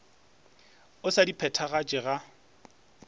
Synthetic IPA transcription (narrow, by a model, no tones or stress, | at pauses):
ʊsadipʰɛtʰaɣat͡ʃʼɪɣa